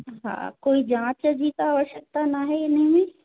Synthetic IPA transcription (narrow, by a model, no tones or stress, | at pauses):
ɦã̰ːkoːid͡ʒãːt͡ʃd͡ʑiːt̪aːʋəʃək̚t̪anaɦɛɪnəɦĩmẽː